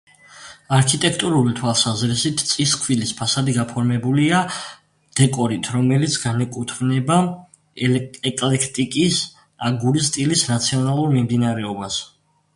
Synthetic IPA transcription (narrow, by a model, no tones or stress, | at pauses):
aɾkʰit̪ʼɛkʰt̪ʼuɾulit̪ʰwalˠsazɾisit̪ʰt̪sʼiskʰvilispʰasad̪iɡapʰɔɾmɛbulia | d̪̥ɛkʼɔɾit̪ʰɾɔmɛlit̪sʰɡ̥anɛkʼut̪ʰɡnɛba | ɛkʼlɛkʰt̪ʼikʼis | aɡuɾist̪ʼilisnat̪sʰiɔnalˠuɾmimd̪inaɾɛɔbas